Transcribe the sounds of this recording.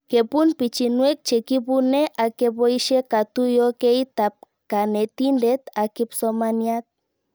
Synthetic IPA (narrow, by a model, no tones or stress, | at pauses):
kepunpit͡ʃinwek̚t͡ʃekipuneʔakepoiʃekat̪ujokejt̪ap̚ | kanet̪indet̪akipsomaniat̪̚